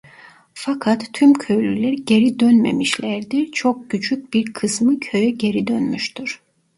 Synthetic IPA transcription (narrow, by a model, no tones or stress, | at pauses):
fakʰat̪ʰːymcʰøjlʲylʲæɾɟe̞ɾid̪ønmḛmiʃlʲæɾd̪iɾt͡ʃʰo̞k̚ɟyt͡ʃyc̚biɾkʰɯsmɯcʰøjɛɟe̞ɾid̪ønmyʃt̪yɾ̥